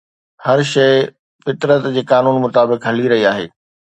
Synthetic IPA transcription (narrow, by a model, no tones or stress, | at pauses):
hɐɾʃɐɪ | fɪt̪ɾət̪d͡ʑeːkaːnuːnmʊt̪aːbɪkɦɐliɾɐɦiaːɦḛː